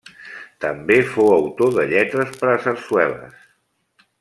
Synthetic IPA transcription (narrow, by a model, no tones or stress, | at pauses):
t̪əmbefowəwt̪oðəʎɛt̪ɾəspəɾəsəɾswɛlə̰s